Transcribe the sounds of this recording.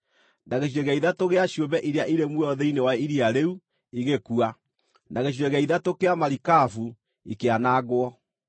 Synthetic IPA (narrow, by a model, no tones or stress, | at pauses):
naɣeɕ̬ieɣaiðatoɣeaɕjobɛʔiɾeaʔiɾemwɔðɛinewaiɾiaɾeu | iɣekua | nʔaɣeɕ̬ieɣaiðatokeamaɾikafu | ikeanaːɣwɔ